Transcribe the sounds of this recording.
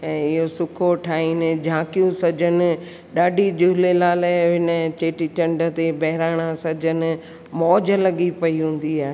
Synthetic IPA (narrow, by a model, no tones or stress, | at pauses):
ɛ̃ːɪɦosʊkʰoʈʰaːiːnɪ̆d͡ʑʱãːkijũsɐd͡ʑʱənɪ̆ | ɗaːɖʱid͡ʑuːlelaːlɦɪnət͡ɕeːʈit͡ɕɐ̃ɳɖə̆t̪ebɐɦɪɾaːɽ̃asɐd͡ʑʱənɪ̆ | mɔːd͡ʑəlɐɠipɐiɦũːn̆d̪iaːɦe